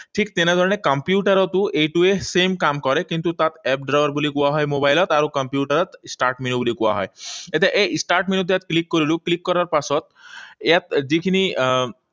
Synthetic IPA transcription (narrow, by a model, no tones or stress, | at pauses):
ʈʰikt̪enad̪ʱɔɾɔnekɔmpjuʈaɾɔt̪uʔejʈuesemkamkɔɾekint̪ut̪at̪ɛp̚ɖɾajɔɾbulikuaɦɔjmobajlɔt̪aɾukɔmpjuʈaɾɔt̪sʈaɾʈminubulikuwa̰ɦɔ̰jet̪ʰaʔesʈaɾʈminut̪̬ejat̪klikːoɾiluklikːɔɾaɾpasɔt̪̚ejat̪̚d͡ʒikʰini